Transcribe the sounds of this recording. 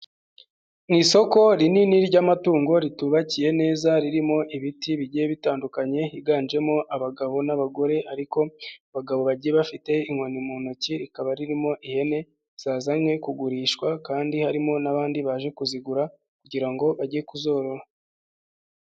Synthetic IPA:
ŋiːso̞ko̞ɾininiɾɟamatuːŋɡo̞ɾituβacije̞ne̞ːzaɾiɾimo̞ʔiβitiβiɟijeβitaːndukaɲe̞hiɡaːnd͡ʒe̞mo̞ʔaβaɡaβo̞naβaɡo̞ɾe̞aɾiko̞βaɡaβo̞βaɟieβafite̞iŋwonimuːnociɾikaβaɾiɾimo̞ʔihe̞ne̞ | z̥aːzamŋe̞kuɡuɾiːʃkwakaːndihaɾimo̞naβaːndiβaʒe̞kuziɡuɾa | kuɟiɾaŋɡo̞βaɟijekuzo̞ɾo̞ɾa

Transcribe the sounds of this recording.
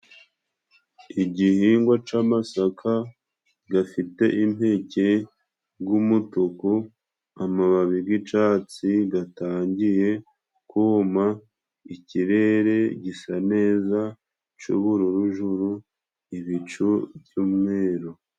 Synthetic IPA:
iɟihiːŋɡwat͡ʃamasakʰa | ɡafite̞ʔimhe̞ce̞ | ɡumutuku | amaβaβiɡit͡ʃaːt͡siɡataːɲɟije̞ | kuma | iciɾe̞ɾe̞ɟisane̞ːza | t͡ʃṵβuɾuɾuʒuɾu | iβit͡ʃuβjumŋeːɾo

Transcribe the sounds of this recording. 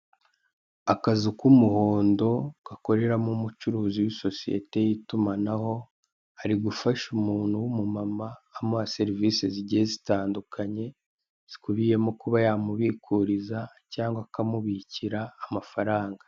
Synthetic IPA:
akazukumuho̞ːndo̞ɡ̥ako̞ɾe̞ɾamumut͡ʃuɾuːziwiso̞sije̞̰te̞jitumanaho̞ | aɾiɡufaʃumuːnhuwumumamaːmase̞ɾiviːseziɟiezitaːndukʰaɲe̞ | z̥i̥kuβije̞mokuβajaːmuβikʰuɾiza | caːŋɡwakamuβiciɾaːmafaɾaːŋɡḁ

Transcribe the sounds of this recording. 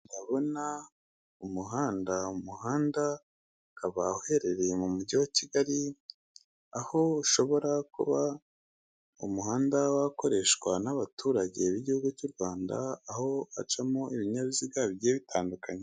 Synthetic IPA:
ndaβo̞na | umuɦaːndaumuhaːnda | kaβahhe̞ɾe̞ɾe̞mumuɟiwaciɡaɾi | aho̞uʃo̞βo̞ɾakṵβa | ṵmuhaːndawako̞ɾe̞ʃwanaβatuːɾaɟeβiɟihuɡucuɾɡwaːnda̰ːho̞a̰t͡ʃamoiβiɲaβiziɡaβɟeːβitʰaːndukaɲe

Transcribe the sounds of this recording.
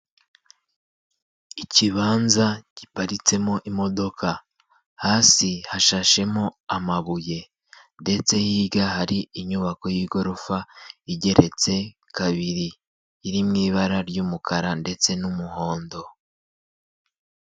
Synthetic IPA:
iciβaːnzaɟ̥ipaɾit͡se̞moʔimo̞do̞kʰa | haːsihaʃaʃe̞mo̞amaβuje̞ | nde̞t͡se̞hiːɡahaɾiiɲuβako̞jiːɡo̞ɾofaiɟe̞ɾe̞t͡se̞ | kaβiɾiː | ɾimŋiːβaɾaɾɟumukʰaɾande̞t͡se̞numuho̞ːndo̞

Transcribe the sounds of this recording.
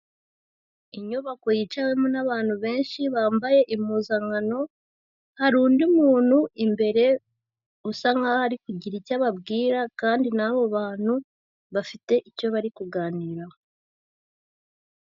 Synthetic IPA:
iɲoβako̞jit͡ʃawe̞munaβaːn̥huβe̞ːnʃiβaːmbaje̞ʔimuːzaŋɡano̞ | haɾuːndiumuːnhuimbe̞ɾe̞ | usaŋɡahaɾikuɟiɾicaβabɡiːɾakaːndinaβo̞βaːn̥hu | βafite̞ʔico̞βaɾikuɡaːniːɾa

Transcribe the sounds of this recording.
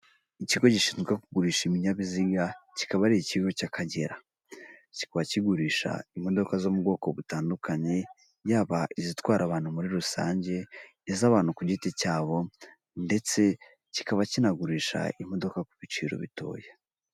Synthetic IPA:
iciɡo̞ɟiʃiːnzɡakuɡuɾiːʃaimiɲaβiziɡaci̥kaβaɾiiciɡo̞cakʰaɟeɾa | ci̥kaβaciɡuɾiʃa̰imo̞do̞kazo̞mubɡo̞ːko̞βutaːndukaɲe̞ | jaːβaʔizitwaːɾaβaːn̥humuɾiɾusa̰ːɲɟe̞ː | zaβaːn̥ukuɟitecaːβo̞ | nde̞t͡se̞ | ci̥kaβacinaɡuɾiːʃa̰im̥o̞do̞kakuβit͡ʃiːɾo̞̰βḭto̞̰ːja

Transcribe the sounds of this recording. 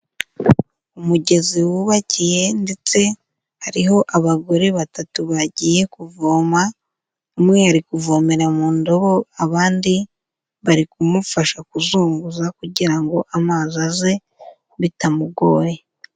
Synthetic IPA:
umuɟe̞ziwuβacije̞nde̞t͡se̞ | haɾiɦo̞ʔaβaɡo̞ɾe̞βatatuβaɟiːje̞kuvoːma | umŋe̞haɾikuvo̞ːme̞ɾamuːndo̞βo̞aβaːndi | βaɾikumufaʃakuzuːŋɡuzakuɟiɾaŋɡo̞ʔamaːzaze̞ | βitamuɡo̞ːɾe

